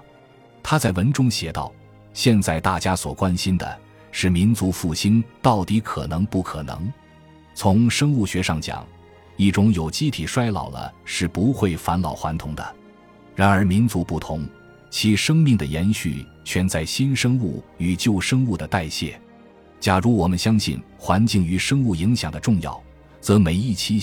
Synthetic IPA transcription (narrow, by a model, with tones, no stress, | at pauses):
t̪ʰa˥t͡sa˥˩ɪwə˧˥nʈ͡ʂʊ˥ŋɕjɛ˧˥t̪ɑ̰˥˩ʊ | ɕjɛ˥˧nt͡sa˥˧ɪt̪a˥˩t͡ɕja˥swɔ̰˨˩kwa˥nɕi˥nd̪ə̰˨ | ʂɻ̩˥˩mi˧˥nt͡su˧˥fu˥˩ɕi˥nt̪ɑ˥˩ʊt̪i˧˥kʰɤ˨˩nɤ˧˥ŋpu˥˩kʰɤ˨˩nɤ̰˧˥ŋ | t͡sʰʊ˧˥ŋʂɤ˥ŋu˥˩ɕɥɛ˧˥ʂɑ˥˩ŋt͡ɕjɑ̰˨˩˦ŋ | i˥˩ʈ͡ʂʊ˥ŋjo˨˩ʊt͡ɕi˥˩t̪ʰi˨˩ʂwa˥ɪlɑ̰˨˩ʊlə̰˦ʂɻ̩˥˩pu˧˥xwe˥˩ɪfa˧˥nlɑ˨˩ʊxwa˧˥nt̪ʰʊ˧˥ŋd̪ə̰˧ | ɻa˧˥nə˞˧˥mi˧˥nt͡su˧˥pu˥˩t̪ʰʊ˧˥ŋ | t͡ɕʰi˧˥ʂɤ˥ŋmi˥˩ŋd̪ə̰˩jɛ˧˥nɕy̰˥˩ | t͡ɕʰɥɛ˥˧nt͡sa˥˩ɪɕi˥nʂɤ˥ŋu˥˩y˨˩t͡ɕjo˥˩ʊʂɤ˥ŋu˥˩d̪ə˩t̪a˥˧ɪɕjɛ̰˥˩ | t͡ɕja˨˩ɻu˧˥wɔ˨˩mə˦nɕjɑ˥ŋɕḭ˥˩n | xwa˧˥nt͡ɕi˥˩ŋy˧˥ʂɤ˥ŋu˥˩i˧˥ŋɕjɑ̰˨˩ŋd̪ə˦ʈ͡ʂʊ˥˧ŋjɑ̰˥˩ʊ | t͡sɤ˧˥me˧˥ɪi˥˩t͡ɕʰi˥